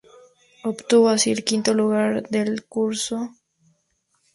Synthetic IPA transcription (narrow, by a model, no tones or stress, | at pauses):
opt̪uβoasiɾkint̪oluɣaɾd̪elkuɾso